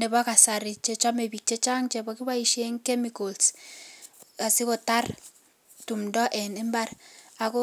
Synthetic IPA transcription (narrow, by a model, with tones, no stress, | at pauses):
nɛ˨ba˦ka˨sa˨ɾi˨t͡ʃe˦t͡ʃa˦me˨bi˨k̚t͡ʃe˦t͡ʃa˦ŋt͡ʃe˨bɔ˦ki˦βa˦i˨ʃe˦ŋkɛ˦mikols | ka˨si˦ko˨ta˦r | tu˨mdɔ˦ʔɛ˨nɪ˦mba˦ɾa˨ko˦